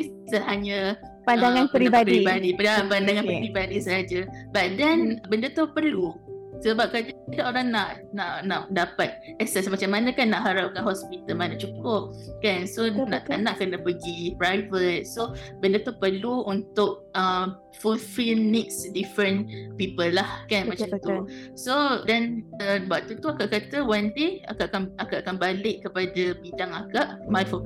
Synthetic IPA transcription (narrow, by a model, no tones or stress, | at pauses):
isəɦaɲə | pandaŋãnpɾiabadpəɾibadipaandaŋãnpəpɾibadisəad͡ʒəbat̪̚dɛnbəndət̪upərlusəbap̚kad͡ʒalaʔoɾaŋnaʔ | naʔnaʔdapat̪̚ɛsɛsmat͡ʃamːanakanːaʔɦaɾap̚kanɦɔspit̪əlmanaʔt͡ʃukʊp̚kansonaʔt̪anaʔkənabəɡipɾajvət̪̚sobəndət̪upərluunt̪ʊk̚ə | fulfilnɪk̚sdifɾə̃npipəlːahkanmat͡ʃamt̪usodɛnəbwaʔ̚t̪ut̪uakaʔkat̪əwand̪ea̰kaʔkanakaʔakanbalɪʔkːəpadabidaŋakaʔmajfɔ